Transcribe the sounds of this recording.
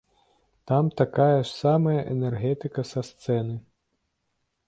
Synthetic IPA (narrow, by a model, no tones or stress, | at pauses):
t̪amt̪akajɐʂsamɐjɐʔɛnɛrɣɛt̪ɨkɐsast̪sɛnɨ